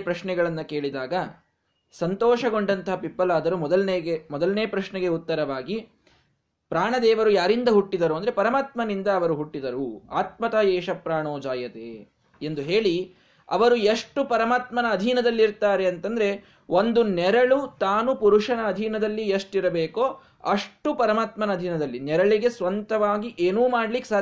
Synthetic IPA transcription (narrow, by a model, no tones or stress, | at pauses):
pɾɐʂnɛɡɐɭɐnːɐke̞ːɭid̪aːɡɐ | sɐnt̪ɔːʂɐɡo̞ɳɖɐnt̪ɐɦɐpipːɐlaːd̪ɐɾumɔd̪ɐlneːɡemɔd̪ɐlneːpɾɐʃnɛɡe̞ut̪ːɐɾɐʋaːɡi | pɾaːɳɐd̪ɛːʋɐɾujaːɾind̪ɐɦuʈːid̪ɐɾuɐnd̪ɾe̞pɐɾɐmaːt̪mɐnind̪ɐːʋɐɾuɦuʈːid̪ɐɾuaːt̪̚mɐt̪aɛːʃɐpɾaːɳoːd͡ʒaːjɐt̪ḛː | end̪uɦeːɭi | ɐ̰ʋɐɾueʂʈupɐɾɐmaːt̪mɐnɐːd̪ʱiːnɐd̪ɐlːiɾt̪aːɾe̞ɐnt̪ɐnd̪ɐɾe̞ | ʔond̪unɛɾɐɭut̪aːnupuɾuʂɐnɐːd̪ʱiːnɐd̪ɐlːieʂʈiɾɐbeːkoː | ɐʂʈupɐɾɐmaːt̪mɐnɐd̪ʱiːnɐd̪ɐlːinɛɾɐɭiɡe̞sʋɐnt̪ɐʋaːɡiʔeːnuːmaːɽlikːsaː